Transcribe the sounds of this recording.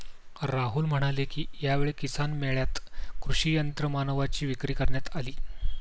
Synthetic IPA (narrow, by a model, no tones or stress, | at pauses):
ɾaɦulm̤əɽ̃alekiːjaʋeɭekisanmeɭjat̪kɾuʂijənt̪ɾəmanəʋat͡ɕiːʋikɾiːkəɾɳjat̪aliː